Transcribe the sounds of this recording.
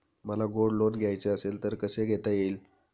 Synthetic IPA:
məlaɡoɽlonɡʱjajt͡seəselt̪əɾkəseɡʱet̪ajeːl

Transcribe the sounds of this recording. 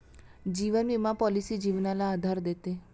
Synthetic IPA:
d͡ʒiʋənʋimãpɔlisid͡ʒiʋnalaːd̪ʱaɾd̪et̪e

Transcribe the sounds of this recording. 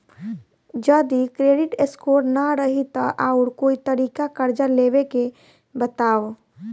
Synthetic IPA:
d͡ʒəd̪ikɾeːɖɪʈeskoːɾnaɾəɦit̪aʔaːʊɾkoːit̪əɾiːkakəɾd͡ʒəɾleːweke | bət̪aːʋ

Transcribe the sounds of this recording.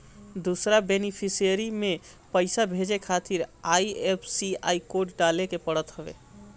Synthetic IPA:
d̪usɾabenipʰisijəɾimẽ | pəɪsabʱed͡ʒekʰat̪iɾaiepʰsia̰ikoʈɖalekepəɽət̪ɦəbḛ

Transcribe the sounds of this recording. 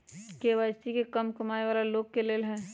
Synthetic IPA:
keʋaːɪst̪ikekəmkəmaːeʋaːlaloːɡ̚keleːlɦɛ̃ː

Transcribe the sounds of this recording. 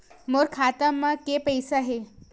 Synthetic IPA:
moɾkʰat̪əmːakepəjsaɦe

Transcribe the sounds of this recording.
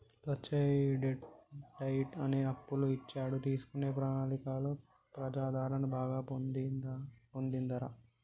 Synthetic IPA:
t̪ʋɐt͡ʃːeːɖɖɐjʈɐneːɐpːuluit͡ʃːaːɽut̪iːsu̥kune̞ːpɾɐːnaːlikaːloː | pɾɐd͡ʒaːd̪ʱaːɾɐɳɐbaːɡaːp̪ | pond̪ind̪ɐɾa

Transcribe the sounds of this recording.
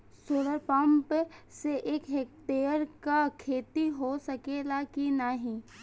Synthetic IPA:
soːləɾpə̃mpseʔeːkɦeːk̚ʈeːɾkakʰeːt̪iɦosɐkelakinaɦĩ

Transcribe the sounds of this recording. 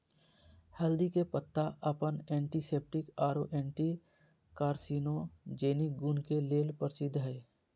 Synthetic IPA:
hɛld̪ikepət̪ːaʔəpənẽːɳʈiseːp̚ʈɪkaːɾoʔɛ̃ːɳʈi | kaːɾsiːnod͡ʒeːnik̚ɡuːnkeleːlpəɾsɪd̪ɦɛe

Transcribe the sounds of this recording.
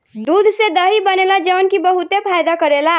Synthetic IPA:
d̪ud̪ʱsed̪əɦibənelad͡ʒənkibəɦut̪epʰajd̪akəɾela

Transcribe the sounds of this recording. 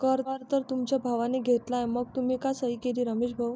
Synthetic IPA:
kəɾʋaɾt̪əɾt̪umt͡ɕabʱaʋaneɡʱet̪lajməɡ̚t̪um̤iːkasəɦikeliːɾəmeɕbʱaw

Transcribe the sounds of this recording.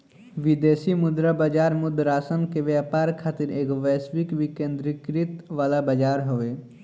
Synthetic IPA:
ʋɪd̪eːsimʊd̪ɾabəd͡ʒaːɾmʊd̪ɾaːsənkeʋjaːpaːɾkʰaːt̪ɪɾeːkʋɛːsʋɪkʋɪkẽːnd̪ɾɪkɾɪt̪ʋaːlabəd͡ʒaːɾɦoʋeː

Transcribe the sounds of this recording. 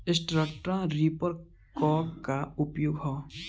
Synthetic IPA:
ɪsʈɾəkʈɾãɾipəɾ | kɔːɡkaʊpjuːɡɦɔː

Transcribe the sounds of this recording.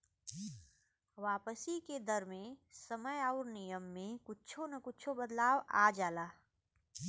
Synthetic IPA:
ʋaːpəsiked̪əɾmẽsəməjaʊɾnijəmːẽkʊtːt͡ʃʰonɐkʊt͡ʃʰobəd̪laːʋa̰ːd͡ʒaːlaː

